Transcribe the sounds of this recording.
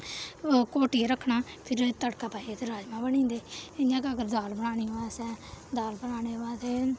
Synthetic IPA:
koːʈieɾəkʰːɳaːpʰɪɾt̪əɽkaːpaːiet̪eɾaːd͡ʒmãːbəɽ̃ĩːnd̪eːɪjãːkːəɡəɾd̪aːlbəɽaːniːɦoːãːsɛːd̪aːlbəɳaːneːɦoãːt̪eː

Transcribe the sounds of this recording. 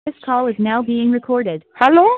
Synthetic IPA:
ɪskʰɔlˠɨznaʊbiɪ̃ŋɹɨkʰɔɹɾɪd̥̚hɛlo

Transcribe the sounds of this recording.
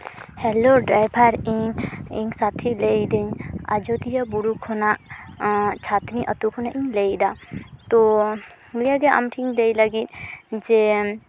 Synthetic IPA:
hɛloɖɾajbʱaɾĩŋɡĩŋɡsat̪ʰileid̪ena̰d͡ʒod̪ijabuɽukʰona | t͡ʃʰat̪niʔɐt̪ukʰonaʔĩŋleid̪at̪o | lijaɡeʔa̰mʈʰiŋd̪eiləɡit̪d͡ʒe

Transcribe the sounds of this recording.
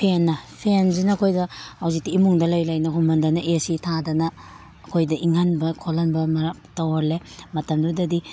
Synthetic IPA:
pʰenːɐpʰenzinɐːkʰojdɐhawzitiːmuŋdɐlɐjlajnɐɦumɐndɐnɐʔesitʰadɐnɐː | kʰojdɐʔiŋɦanbɐkʰolɐnbɐmɐɾaptawaɾlemɐtɐmdudɐdi

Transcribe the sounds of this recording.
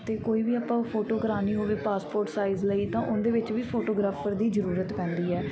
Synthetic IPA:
t̪eːkoːiːʋiːaːpãːpʰoːʈoːkəɾaːniːɦoːʋeːpaːspoːɾʈsaːɪzləit̪ãːʔʊnd̪eːʋɪt͡ʃʋiːpʰoːʈoːɡɾaːpʰəɾd̪iːzəɾuːɾət̪pɛ̃ːnd̪iːɛː

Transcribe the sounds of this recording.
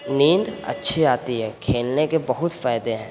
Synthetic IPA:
nĩːnd̪ɐ̰tːʃʰiaːt̪iɦɛːkʰeːlnekebɐɦʊt̪faːjd̪eɦɛ̃ː

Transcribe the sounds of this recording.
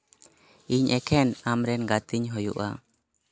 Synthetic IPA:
iɲʔɛkʰɛnamɾɛnɡat̪iɲɦɔjṵʔa̰

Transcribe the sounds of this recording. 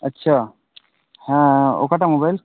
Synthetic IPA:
ətːɕʰa | hɛ̃o̰kaʈamobajl

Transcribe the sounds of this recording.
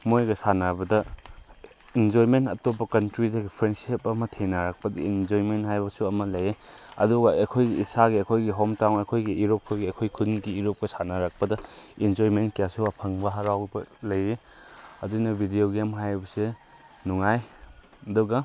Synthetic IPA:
mojɡɐsanabɐdɐ | ind͡ʒojmentɐtopːɐkɐntɾidɐɡipʰɾensiepɐmɐtʰenaɾak̚pɐdɐind͡ʒoɾimenɦajbɐsuɐmɐlɐjeɐ̰duɡɐɐkʰojɡiisaɡiɐkʰojɡiɦɔmtawnɐkʰojɡiʔiɾop̚kʰojɡiɐkʰojkʰunɡiːɾop̚kɐsanaɾak̚pɐdɐind͡ʒoimenkijasuɐpʰɐŋbɐɦaɾawbɐlɐje | ɐdunɐbʱidioɡemɦajbɐse | nuŋaj | ɐduɡɐ

